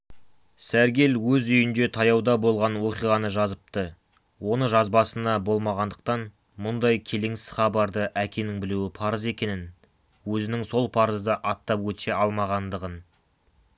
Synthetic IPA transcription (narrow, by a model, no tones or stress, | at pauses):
sæɾɡʲe̞lwɵzʏjɪnd̪e̞t̪ʰɑjɑwd̪ɑbo̞lˠʁɑnwo̞qijʁɑnəʒɑzəp̚t̪ə | wo̞nəʒɑzbɑsənɑbo̞lˠmɑʁɑnd̪əq̚t̪ɑn | mʊnd̪ɑjkʲʰe̞le̞ŋsɪ̥z̥χɑbɑɾd̪əʔækʲe̞nɪŋbɪluwɪpʰɑɾəze̞kʲe̞nɪn | wɵzɪnɪŋso̞lˠpʰɑɾəzd̪əʔɑt̪ːɑpwɵt̪ʰe̞ɑlˠmɑʁɑnd̪əʁən